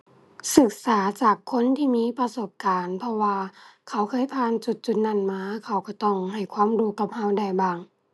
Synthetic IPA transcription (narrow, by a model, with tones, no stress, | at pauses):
sɯ˧˨˩k̚saː˨˩˦t͡ɕaː˨˩kʰːo˧˥˨nt̪ʰiː˧˨miː˧˥˨pa˧so˧˩p̚kaː˨npʰɔ˧waː˧kʰa˧˩wkʰɤː˧˥˨jpʰaː˧˥˨nt͡ɕu˧˩t̪̚t͡ɕu˧˩t̪̚na˧˩˨nmaː˧˥kʰa˧˩wkɔ˧˩t̪ɔ˧˩ŋɦa˨˩jkʰwaː˧˥˨mduː˧˦ka˧˩p̚ha˧˩˨wda˧˩jbaː˧˩ŋ